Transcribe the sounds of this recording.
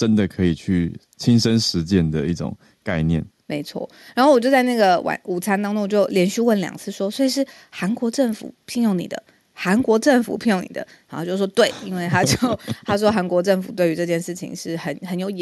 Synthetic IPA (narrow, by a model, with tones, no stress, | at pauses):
ʈ͡ʂə˦nd̪ə˨kʰɤ˧˥i˨˩t͡ɕʰy˥˩ | t͡ɕʰi˦nʂə˦nʂɻ̩˧˦t͡ɕjɛ˥˩nd̪ə˨i˥˩ʈ͡ʂʊ̰˨˩ŋ | ka˥˧ɪnjɛ̰˥˩n | me˧˥ɪt͡sʰwɔ̰˥˩ | ɻa˨˧˥nxo˥˩wɔ˨˩t͡ɕjo˥˧ʊt͡sa˥˧ɪna˥˩ɡə˩wa̰˨˩nu˨˩t͡sʰa˥nt̪ɑ˥ŋʈ͡ʂʊ˧˥ŋwt͡ɕjo˥˩ʊljɛ˧˥nɕy˥˧wə˥˩nljɑ̰˨˩ŋt͡sʰɹ̩˥˩ʂwɔ˥swe˧˥i˨˩ʂ̬ɻ̩˥˩ | xa˧˥nkwɔ˧˥ʈ͡ʂə˥˩ŋfṵ˨˩pʰi˥˧ŋjo˥˩ŋnḭ˨˩d̪ə̰˦ | xa˧˥nkwɔ˧˥ʈ͡ʂə˥˩ŋfṵ˨˩pʰi˥˩ŋjo˥˩ŋnḭ˨˩d̪ə̰˦˨˩xo˥˧˩t͡ɕjo˥˧˩ʂwɔ˥t̪we˥˩ɪi˥nwe˥˩ɪt̪ʰa˥t͡ɕjo˥˩ʊt̪ʰa˥ʂwɔ˥xa˧˥nkwɔ˧˥ʈ͡ʂə˥˩ŋfu˨˩t̪we˥˩ɪy˧˥ʈ͡ʂɤ˥˧t͡ɕjɛ˥˧nʂɻ̩˥˩t͡ɕʰḭ˧˥ŋʂɻ̩˥˩xə˧˥nxə˧˥njo˧˥ʊ